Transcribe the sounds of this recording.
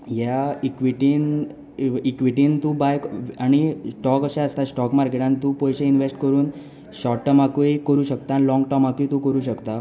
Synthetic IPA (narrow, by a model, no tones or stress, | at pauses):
jaikʋiʈiːn | ikʋiʈ̬iːnt̪ũbajkaɽ̃isʈɔkəɕaəst̪asʈɔkmaɾkeʈãnt̪ũpɔjɕẽinʋesʈkəɾuːn | ɕɔʈʈəmakuikəɾuːɕəkt̪aːnilɔ̃ŋɡʈɔmakujt̪ũkəɾuːɕəkt̪a